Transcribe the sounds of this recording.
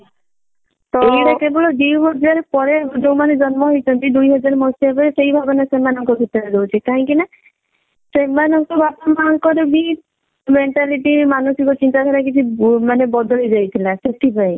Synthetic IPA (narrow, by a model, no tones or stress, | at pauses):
ɔejɾakebɔɭɔd̪ewɦɔd͡ʒaɾpɔɾed͡ʒowmaned͡ʒɔnmɔɦojt͡ʃʰɔnt̪id̪ujɦɔd͡ʒaɾmɔsiebesejbʱabɔnasemanɔŋkɔbʱit̪ɔɾedowt͡ʃʰikaɦɔ̃ŋkina | semːanɔŋkɔbapamaŋkɔɾɔbi | meɳʈaliʈimanusikɔt͡ʃint̪ad̪ʱɔɾakit͡ʃʰimanebɔd̪ɔlid͡ʒajt̪ʰilaset̪ʰipaj